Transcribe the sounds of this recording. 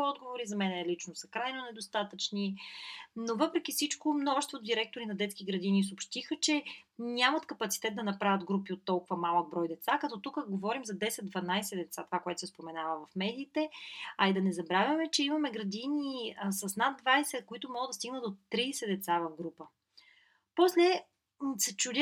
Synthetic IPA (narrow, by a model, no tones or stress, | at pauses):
ɔd̪ɡovoɾizɐmɛnɛlit͡ʃnosəkɾajnonɛd̪ost̪at̪ət͡ʃni | novɤpɾɛk̟ifsit͡ʃkomnɔʒɛst̪vod̪iɾɛk̚t̪oɾinɐd̪ɛt̪skiɡɾɐd̪inis̬opʃt̪ixət͡ʃɛnʲamɐt̪kɐpɐt̪si̥t̪ɛt̪̚d̪ɐnɐpɾavʲjətd̪ɡɾupiot̪ːɔlˠkʊvɐmalˠəɡ̚bɾɔjd̪ɛt̪sakɐt̪ɔt̪ukəɡovɔɾimzɐd̪ɛsɛt̪d̪vɐnajsɛd̪ɛt̪sat̪ovakoɛt̪o̥sɛspomɛnavəvɐfmɛd̪iːt̪ɛɐid̪ɐnɛzɐbɾavʲjɐmɛt͡ʃɛimɐmɛɡɾɐd̪iniəsɐsnad̪̚d̪vajsɛkoit̪ʊmɔɡəd̪ɐst̪iɡnət̪ot̪ɾisɛd̪ɛt̪savɐvɡɾupə | pɔslɛ | sɛt͡ʃud̪ʲ